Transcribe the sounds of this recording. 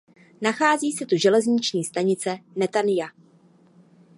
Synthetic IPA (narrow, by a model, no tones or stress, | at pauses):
naxaːziːsɛt̪uʒɛlɛzɲɪt͡ʃɲiːst̪aɲɪt͡sɛnɛt̪anɪja